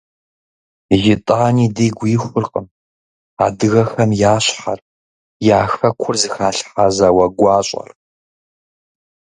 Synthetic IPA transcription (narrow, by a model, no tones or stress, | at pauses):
ʒɪtʼaːniːdiːɡʷiːxʷʊrqʼəm | a̰ːdɨɣɐxɐmjaːɕħar | jaːxɐkʷʰʊrzɨxaːɬħazawɐɡʷɑːɕʼɐ̰r